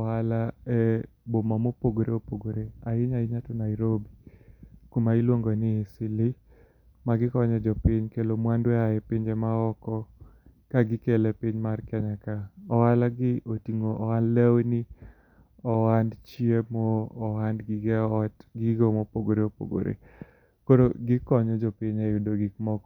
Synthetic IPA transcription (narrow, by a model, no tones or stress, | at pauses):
ɔalaɛ | bomamopoɡoɾeopoɡoɾeaɪɲaɪɲatɔnaɪɾobikumailwoŋɡonɪesɪlɪ | maɡɪkɔɲɛd͡ʒɔpɪɲkelomwandwɛaɛpɪɲd͡ʒemaɔkɔkaɡɪkelɛpiɲmarkaɲakaɔwalaɡɪotiŋoʔɔwanlɛwni | ɔwandt͡ʃiemɔːwandɡɪɡɛɔtɡɪɡomopoɡoɾeopo̰ɡo̰ɾʔḛ | koɾoɡɪkɔɲɔd͡ʒɔpiɲaudoɡikmɔkɔ